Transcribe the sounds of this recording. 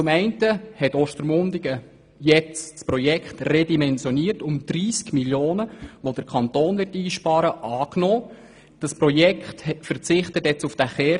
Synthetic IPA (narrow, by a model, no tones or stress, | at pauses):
t͡sʊmɛɪntəhɛtɔʃtəɾmʊndiɡə | jɛt͡ssprɔjɛkχtredimɛnsjɔniːərtʊmd̥ɾiːskmiljoːnəʋod̥əɾkʰɑnt̪oːnʋɪrtiːʃpɑːɾəʔɑːknoː | d̥ɑspɾɔjɛkχthɛfəɾt͡sɪχtətjɛt͡sufd̥æχɛː